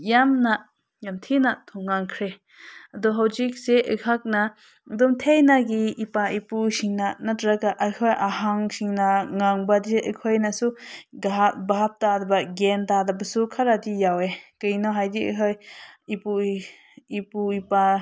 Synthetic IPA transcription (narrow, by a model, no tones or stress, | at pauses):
jamna | jamt̪ʰinat̪ʰuŋːaŋkʰɾe | ad̪ɔɦawd͡ʒik̚seʔəhak̚na | d̪ɔmt̪ʰejnaɡiipaipusiŋnanatɾakaʔahʰɔjʔaɦaŋsiŋnaŋaŋbad̪iseʔəkʰɔjnasuɡaɦbaɦap̚t̪ad̪abaɡentad̪abasukʰaɾad̪ijawekəjnɔɦajd̪iə̰ɦʰɔjipu | ipuipa